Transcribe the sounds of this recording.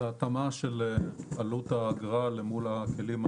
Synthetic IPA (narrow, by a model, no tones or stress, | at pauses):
aat̪amaʃelalut̪aːɡʁalemulakelima